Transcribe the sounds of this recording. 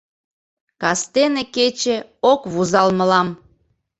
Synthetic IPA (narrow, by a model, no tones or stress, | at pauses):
kɑst̪eneket͡ɕeokβuzɑlmə̆lɑm